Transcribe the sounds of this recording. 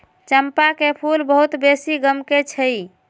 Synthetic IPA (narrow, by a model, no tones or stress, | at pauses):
t͡ʃəmpakepʰulbəɦut̪besiɡəmket͡ʃʰəj